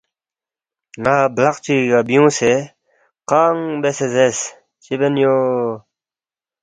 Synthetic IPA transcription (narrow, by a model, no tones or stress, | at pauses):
ŋaːblaqt͡ɕiɡabijũːse | qaŋbesezes | t͡ɕibenjo